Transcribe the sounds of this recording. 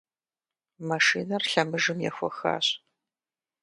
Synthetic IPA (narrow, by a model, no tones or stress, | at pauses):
mɐʂiːnɐrɬɐmɨʒɨmjɛ̰xʷɔxa̰ːɕ